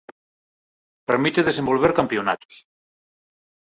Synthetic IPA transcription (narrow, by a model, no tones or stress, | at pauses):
peɾmit̪eðesembolβ̞eɾkampiona̰t̪o̥s